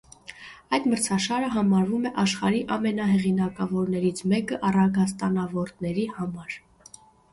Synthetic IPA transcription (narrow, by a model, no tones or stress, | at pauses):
ɑjd̪məɾt͡sʰɑʃɑɾəɦɑmɑɾvumɛʔɑʃχɑɾiʔɑmɛnɑɦɛʁinɑkɑvɔɾnɛɾit͡sʰmɛkəʔɑrɑɡɑs̬t̪ɑnɑvɔɾt̪nɛɾihɑmɑɾ